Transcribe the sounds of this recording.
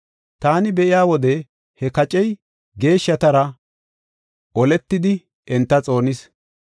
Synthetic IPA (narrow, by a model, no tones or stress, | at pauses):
t̪aːnɪbɛʔɪjaːwɔd̪ɛ | hɛkɐt͡ʃʼɛj | ɡe̞ːʃːɐt̪ɐɾɐ | ʔɔlɛt̪ːɪd̪ɪ | ʔɛnt̪ːɐt͡sʼo̞ːnɪs